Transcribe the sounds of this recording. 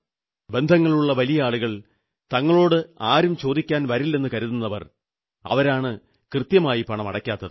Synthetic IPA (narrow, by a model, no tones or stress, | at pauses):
be̞nd̪ʱɐŋːɐɭuɭːɐʋɐlijɐaːɭuɣɐɭ | t̪ɐŋːɐɭo̞ːɽɨaːɾumt͡ɕo̞ːd̪ikʲːaːnʋɐɾilːe̞nːɨkɐɾuðunːɐʋɐ̰r | ɐ̰ʋɐɾaːɳɨ | krɨt̪jɐmaːjipɐɳɐmɐɽɐkʲːaːt̪ːɐðɨ